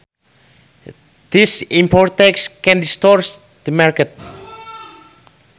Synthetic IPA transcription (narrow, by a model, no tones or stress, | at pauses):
d̪̥isĩmpɔɹt̪ɛkskɛ̃ndist̪ɔɹs | d̪̥əmaɹkət̪̚